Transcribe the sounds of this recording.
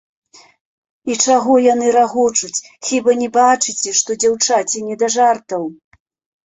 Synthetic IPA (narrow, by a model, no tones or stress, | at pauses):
it͡ʂaɣɔjan̪ɨɾaɣɔt͡ʂut͡sʲ | xʲibɐnʲɛbat͡ʂɨt͡sʲɛʂt̪ɔd͡zʲawt͡ʂat͡sʲɛnʲɛd̪aʐart̪ɐw